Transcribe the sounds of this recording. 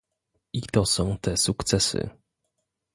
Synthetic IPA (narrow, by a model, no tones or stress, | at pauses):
it̪ɔsɔ̃w̃t̪ɛsukt̪sɛsɘ̰